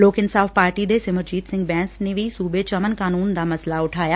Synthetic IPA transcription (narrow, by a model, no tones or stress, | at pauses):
loːkɪnsaːfpaːɾʈid̪eːsɪməɾd͡ʒiːt̪sɪ̃ŋɡ̚bɛ̃ːnsnẽʋisuːbet͡ʃɐmənkaːnuːnd̪aːmɐslaʊʈʰaːjaː